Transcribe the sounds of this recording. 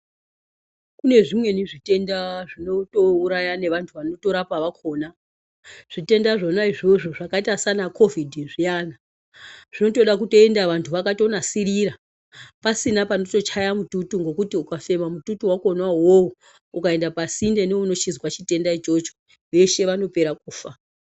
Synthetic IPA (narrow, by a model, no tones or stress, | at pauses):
kune̞ʐimwe̞niʐite̞ndaʐino̞to̞uɾajane̞ʋantʰuʋano̞to̞ɾapaʋakʰo̞ːna | ʐ̥ite̞ndaʐo̞naiʐo̞ʐo̞ʐakaitasanakʰo̞vidʱiʐijana | ʐ̥ino̞to̞ɗakuto̞e̞ndaʋantʰuʋakato̞nasiɾiɾa | pasinapano̞to̞t͡ʃajamututuŋɡo̞kutiukafe̞mamututuwako̞nwaɦowu | ukae̞ndapasinde̞neuno̞t͡ʃizwat͡ʃite̞ndait͡ʃo̞t͡ʃo | ʋe̞ʃe̞ʋano̞pe̞ɾak̚uːfa